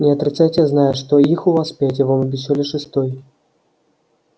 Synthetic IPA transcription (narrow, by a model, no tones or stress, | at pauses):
nʲɛɐt̪ɾɨt̪sajtʲt͡sʲɛznajɛʂt̪ɔixuvaspʲat͡sʲɛvɔmbʲis̬ʲɔlʲɛʂɨst̪ɔj